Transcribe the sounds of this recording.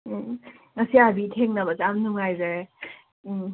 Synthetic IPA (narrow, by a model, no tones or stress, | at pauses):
ŋɐsiabitʰeŋnabat͡ʃamnuŋajza